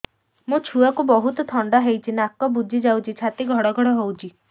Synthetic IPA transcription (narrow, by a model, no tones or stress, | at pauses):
mũt͡ʃʰuakubɔɦut̪ɔt̪ʰɔɳɖaɦejt͡ʃʰinakɔbud͡ʒʱid͡ʒawt͡ʃʰit͡ʃʰat̪iɡʱɔɽɔɡʱɔɽɔɦowt͡ʃʰi